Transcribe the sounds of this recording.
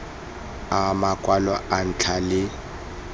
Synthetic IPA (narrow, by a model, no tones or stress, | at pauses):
amakʼwalɔan̩t͡ɬʰalɪ